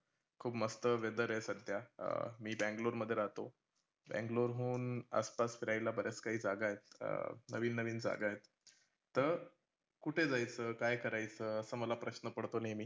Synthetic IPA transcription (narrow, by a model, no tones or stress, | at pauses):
kʰuːbməst̪əʋed̪əɾesəd̪ʱjamiːbæ̃ŋɡloɾməd̪ʱːjeɾaɦt̪o | bæ̰̃ŋɡloɾɦuːna̰spasfiɾajlabəɾjat͡skaɦiːd͡zaɡajet̪̚nəʋiːnːəʋiːnd͡za̰ɡajet̪ː | əɾ | kuʈʰed͡zajt͡səːkajkəɾajt͡səːəsəːməlapɾəɕnəpəɽt̪onajmiː